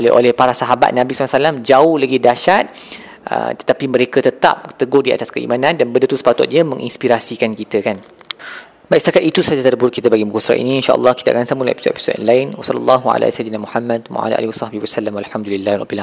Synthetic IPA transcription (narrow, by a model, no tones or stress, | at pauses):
olɛʔo̰lɛhpaɾasaɦaba̰t̪̚nãbisalasalamd͡ʒaʊhlaɡidaʃat̪̚ | ʔə̰t̪ə̥t̪apimə̃ɾekət̪ət̪a̰p̚t̪əɡʊhdia̰t̪askəḭmanãndanbədət̪usə̥pat̪ʊ̰t̪̚ɲəmə̃ŋʔḭnspiɾasikankit̪əkan | bajʔst̪akat̪it̪usad͡ʒat̪ədəbuɾʊkit̪əbaɡibukusɾa̰ʔḭniːnʃa̰ʔə̰lːɑhkit̪əa̰kansamulaḛpisot̪ḛpi̥sot̪nlaɪnwasɑlːəlˤːɑɦua̰la̰sajd̪inamuhamːad̚wa̰ʔa̰laʔa̰liwasɑhbihwasalamwalħamd̪ulilːahrɑ̰bila